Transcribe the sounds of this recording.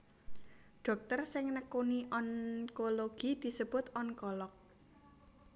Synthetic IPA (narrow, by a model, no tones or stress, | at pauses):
ɖ̪̥ɔ̤k̚t̪ərsɪŋnəkoniʔɔnkoloɡ̥id̪̥i̤səb̥ʊ̤t̪ɔnkɔlɔk̚